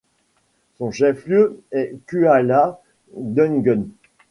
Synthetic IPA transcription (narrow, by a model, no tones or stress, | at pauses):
sɔ̃ʃɛfljøɛkʲyala | d̪ənɡɔn